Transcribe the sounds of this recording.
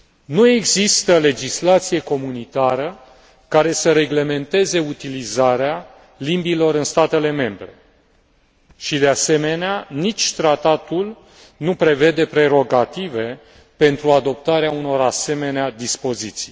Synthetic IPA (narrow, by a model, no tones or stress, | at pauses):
nue̞ɡzist̪əle̞d͡ʒislat̪sije̞ko̞munit̪aɾə | kaɾe̞səɾe̞ɡle̞me̞nt̪e̞ze̞ut̪ilizaɾea | limbilo̞ɾɨnst̪at̪e̞le̞me̞mbɾe̞ | ʃid̪ease̞me̞neanit͡ʃʲt̪ɾat̪at̪ul | nupɾe̞ve̞d̪e̞pɾe̞ɾo̞ɡat̪ive̞ | pe̞nt̪ɾuad̪o̞p̚t̪aɾeauno̞ɾase̞me̞nead̪ispo̞zit̪si̥j